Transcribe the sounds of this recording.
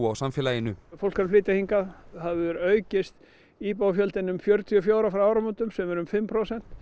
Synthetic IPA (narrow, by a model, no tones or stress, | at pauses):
awsamfɛːlaːjɪnʏfowl̥kaɾflɪːt̪ahiŋkaðhavʏɾœːɥcɪst̪ | iːpawafjœlt̪ɪnʏmfjœɾt̪ʰiɔfjoːwɾafɾawaːwɾamunt̪ʏmsɛmɛɾʏmfɪmːpʰɾowsɛn̥t̪